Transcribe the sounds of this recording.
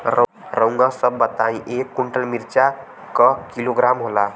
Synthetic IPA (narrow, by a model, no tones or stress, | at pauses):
ɾ | ɾə̃ʊ̃ŋɡãsəbːət̪aĩʔekːuɳʈəlmiɾt͡ʃa | kəkiloɡɾamɦola